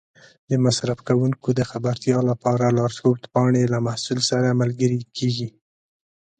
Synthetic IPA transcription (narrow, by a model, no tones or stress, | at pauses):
d̪əmasɾafkawuŋkod̪əxabaɾt̪jɑlapɑɾalɑɾskot̪pɑɳelamahsulsaɾamalɡəɾikʰeɡi